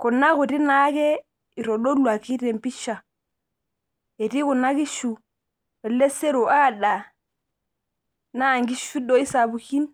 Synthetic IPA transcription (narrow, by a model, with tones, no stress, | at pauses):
ku˨nːa˦ku˨ti˦na˦ke˦ | i˨ɾo˨do˦lwa˨ki˦te˨mpi˦ʃa˨ | e˨ti˦ku˨nːa˦ki˦ʃu˨ | e˨le˦se˦ɾo˨ʔa˦˨da˨ | naː˦˨ŋɡi˦ʃu˦do˦i˦sa˨bu˨ki˦n